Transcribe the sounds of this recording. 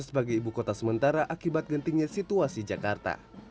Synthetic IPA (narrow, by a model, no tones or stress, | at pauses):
sbaɡajibukot̪asəmənt̪aɾaʔakibat̪̚ɡənt̪iŋɲasit̪uasid͡ʒakart̪a̰